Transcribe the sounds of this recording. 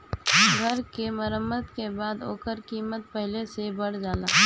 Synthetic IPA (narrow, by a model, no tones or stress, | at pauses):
ɡʱɐɾkemɐɾəmːəd̪kebaːd̪o̰ːkəɾkiːmət̪̚pɛɦlesebɐɽd͡ʒaːlaː